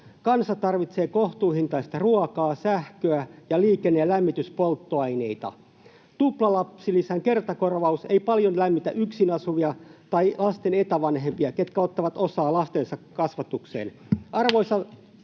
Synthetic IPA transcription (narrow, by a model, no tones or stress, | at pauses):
kɑnsɑt̪ɑrʋit̪seːkoht̪uːhint̪ɑist̪ɑruɑkɑːsæhkøæjɑliːkenːeːlæmːit̪yspolt̪ːoɑineit̪ɑ̰ | t̪uplɑlɑpsilisæŋke̞rt̪ɑkorʋɑuseipɑljonlæmːit̪æ̰ʔyksinɑsuʋiɑt̪ɑilɑst̪enet̪æʋɑnɦempiɑket̪̚kæot̪ːɑʋɑt̪osɑːlɑst̪ensɑkːɑsʋɑt̪uksḛːn | ʔɑrʋoisɑ